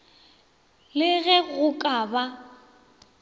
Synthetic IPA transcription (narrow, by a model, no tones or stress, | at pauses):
lɪɣɛɣʊkʼaːba